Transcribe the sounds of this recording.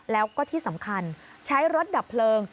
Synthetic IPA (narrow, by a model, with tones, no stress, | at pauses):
lɛː˦˥wkɔː˥˩t̪ʰiː˥˩sa˩˦mkʰa˧n | t͡ɕʰa˦˥jɾo˦˥t̪̚da˨˩pʰːlɤː˧ŋ